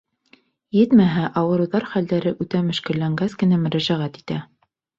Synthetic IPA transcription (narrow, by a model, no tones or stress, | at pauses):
jɘt̪mæɦæʔɑwɤ̆ɾɤ̆wðɑɾχæld̪æɾɘʔʉt̪æmɵ̆ʃkɘ̆lːæŋɡæskɘ̆næmɵ̆ɾæʒæʁæt̪i̥t̪æ